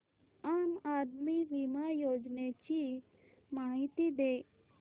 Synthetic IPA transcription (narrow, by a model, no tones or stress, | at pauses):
aːmaːd̪miʋimajoːd͡ʒnet͡ʃi | maːɦit̪id̪eː